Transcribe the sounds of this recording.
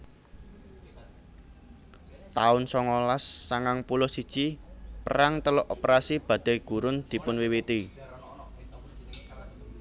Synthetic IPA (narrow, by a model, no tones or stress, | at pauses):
t̪aʊnsɔŋolasːaŋaŋpulɔsid̥t͡ʃipə̰ɾaŋt̪əlɔʔopəɾasib̥a̤d̪̥a̤ɡ̥ṳɾʊnd̪̥i̤pʊnwiwit̪i